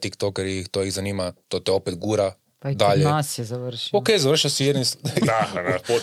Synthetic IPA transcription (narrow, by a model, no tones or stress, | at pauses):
t̪ikt̪okɛɾixt̪oːjiɣzaniːmat̪ot̪ɛopet̪ɡuɾa | pd̪aʎeasjɛzaʋrʃiokejzar̩ʃiasijed̪nisad̪ao